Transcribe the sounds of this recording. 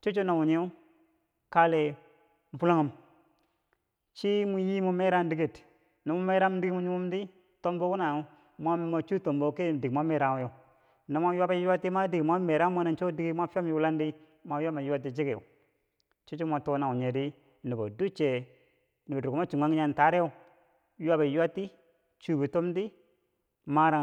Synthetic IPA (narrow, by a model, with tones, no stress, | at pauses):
t͡ʃo˦t͡ʃo˦na˨wu˨ɲe˦u˦ | ka˦le˨ | m̩˨pu˦la˦ŋu˨m | t͡ʃi˦mu˨ji˦mu˦me˦ɾa˦ndi˦ɡi˨t | ni˨mu˦me˦ɾa˦m˦di˦ɡi˦mu˦ɲu˦mu˦mdi˦ | to˦mbo˦ku˦na˨˦ | mʷa˦m˦ma˨t͡ʃu˦to˨mbo˨˦ke˦˨di˨ɡmʷa˦me˨ɾa˨˦jo˨ | ni˨ma˦ju˦a˦ba˦ju˦a˦ti˦ma˦di˨ɡi˨ma˦me˨ɾa˦mo˦na˦nt͡ʃo˦di˦ɡi˦m˦a˦fa˦m˦ju˦la˦ndi˦ | ma˨˦ja˦ma˨ju˦wa˦t̬ːi˨d͡ʒi˦ko̰˨ | t͡ʃi˦t͡ʃi˦mʷa˨to˨˦na˨u˨ɲe˨di˦ | ni˨bo̰˨du˦t͡ʃe˨ | ni˨bo˨dku˨m˦a˦t͡ʃi˨ŋʷa˦ŋ˦a˨n˨ta˨˦ɾe˦jo˦ | ju˦wa˦ba˨ju˦a˦tːi˦ | t͡ʃu˨bi˨to˦mdi˦ | ma˦ɾa˨